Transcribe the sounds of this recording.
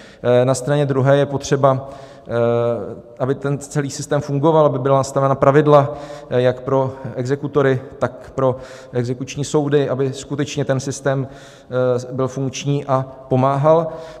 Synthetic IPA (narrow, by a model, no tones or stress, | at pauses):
nast̪ɾaɲɛd̪ɾuɦɛːjɛpo̞t̪r̝̥ɛba | ʔabɪt̪ɛnt͡sɛliːsɪst̪ɛːmfuŋɡo̞valʔabɪbɪlanast̪avɛnapɾavɪdlajakpɾo̞ɛɡzɛkut̪o̞ɾɪt̪akpɾo̞ | ʔɛɡzɛkut͡ʃɲiːso̞wdɪʔabɪskut̪ɛt͡ʃɲɛt̪ɛnsɪst̪ɛːm | bɪlfuŋkt͡ʃɲiːʔapo̞maːɦal